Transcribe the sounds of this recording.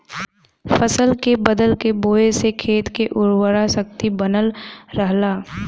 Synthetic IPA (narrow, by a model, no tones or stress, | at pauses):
fəsəlkebəd̪əlkeboːesekʰeːt̪keʔʊɾwəɾasək̚t̪ibənəlɾəɦlaː